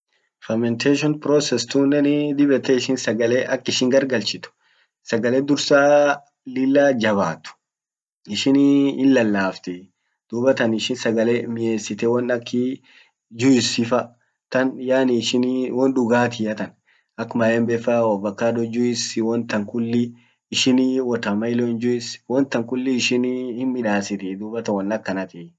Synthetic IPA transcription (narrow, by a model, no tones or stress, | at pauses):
fɐmɛnt̪ʰeʃɔnpɾɔsɛst̪unːɛnd̪ɪbɛt̪ɛɪʃɪnsɐɡɐleːʔɐkːɪʃɪŋɡɐɾɡɐlt͡ʃɪt̪ʊ̥ | sɐɡɐleːd̪ʊɾsaː | lɪlːaːd͡ʒɐβa̰ːt̪ʊ̥ | ɪʃɪnɪnlɐlːaːft̪ɛ | d̪̥uːbɐt̪ɐnɪʃɪnsɐɡɐlemɪeːsːɪt̪ɛwɐnɐkːɪ | d͡ʒʊɪsɪfɐ | t̪ɐnjaːnɪʃɪnwɔnᶑʊɡaːt̪ɪɐt̪ɐn | ɐkːmɐjɛmbɛfɐwɔbɐkːaːd̪ɔd͡ʒʊɪswɔnt̪ɐŋkʊlːɪː | ʃɪniwɔt̪ɐmɐɪlɔɪnd͡ʒʊɪswɔnt̪ɐŋkʊlːɪːʃɪnhɪnmɪᶑaːsɪt̪ɛd̪uːbɐt̪ɐwɔnɐkːɐnɐt̪ɪ